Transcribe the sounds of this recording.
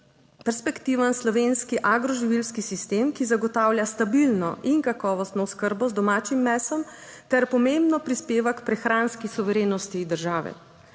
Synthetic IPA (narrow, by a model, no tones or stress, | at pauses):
pɛɾspɛkt̪iʋanslɔʋeːnskiʔaɡɾɔʒiʋilskisist̪eːmkizaɡɔt̪aːwljast̪abilnɔ̰ʔiŋkakɔːʋɔst̪nɔwskəɾbɔzd̪ɔmaːt͡ʃimːɛsɔm | t̪ɛɾpɔmembnɔpɾispeːʋakpɾɛxɾaːnskisuʋɛɾeːnɔst̪id̪əɾʒaːʋɛ̰